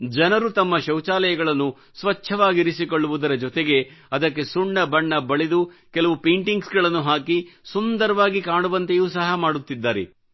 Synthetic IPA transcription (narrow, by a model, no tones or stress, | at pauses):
d͡ʒɐnɐɾut̪ɐmːɐʃɐwt͡ʃaːlɐjɐɡɐɭɐnːu | sʋɐt͡ʃʰːɐʋaːɡiɾisiko̞ɭːuʋud̪ɐɾɐd͡ʒɔt̪eɡe̞ɐd̪ɐkːe̞suɳːɐbɐɳːɐbɐɭid̪ukɛlɐʋupeːɳʈiŋɡsɡɐɭɐnːuɦaːkisund̪ɐɾɐʋaːɡikaːɳuʋɐnt̪ejuːsɐɦɐmaːɽut̪ːid̪ːaːɾḛ